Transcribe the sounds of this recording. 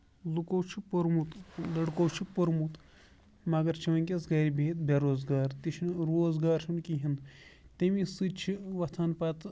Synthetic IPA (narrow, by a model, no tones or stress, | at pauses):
lukowt͡ʃʰipoɾmut̪lɐɽkowt͡ʃʰipoɾmut̪ | mɐɡɐɾt͡ʃʰiʋɐnʲkʲesɡɐːɾʲibeːt̪̚bʲɐɾoːzɡaːɾt̪iʃʰinɾoːzɡaːɾʃʰunkiɦind̪t̪emisɨt͡ʃʰiʋɐt̪ʰaːnpɐt̪